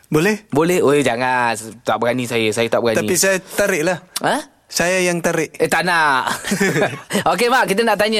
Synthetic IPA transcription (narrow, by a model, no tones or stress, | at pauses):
bolɛhbolɛhod͡ʒaŋant̪aʔb̚əɡanisajəsajət̪aʔbəɡat̪aipisajat̪aɾɪʔlahə | sajajaŋt̪aɾɪʔet̪ana | ok̬emaʔkit̪̬ənaʔt̪aɲə